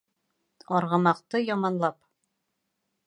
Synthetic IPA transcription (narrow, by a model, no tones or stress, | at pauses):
ɒɾʁɤ̆mɑqt̪ɤjɒmɑnlˠɑp